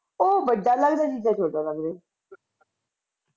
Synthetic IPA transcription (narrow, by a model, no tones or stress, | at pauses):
oːbəɖaːləɡd̪aːt͡ʃid͡ʒãːt͡ʃəɖaləɡd̪eː